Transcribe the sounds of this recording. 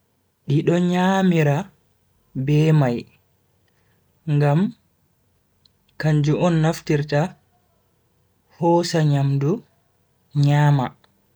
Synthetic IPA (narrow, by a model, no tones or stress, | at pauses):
ɗiɗɔɲaːmiɾa | bɛmaj | ŋɡam | kaɲd͡ʒuʔɔnːaftiɾta | hɔːsaɲamdu | ɲaːma